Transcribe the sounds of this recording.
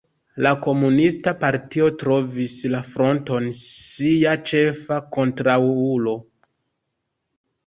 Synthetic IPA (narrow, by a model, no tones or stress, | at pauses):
lako̞munistapaɾtio̞tɾo̞vislafɾo̞nto̞nsiat͡ʃe̞fako̞ntɾawulo̞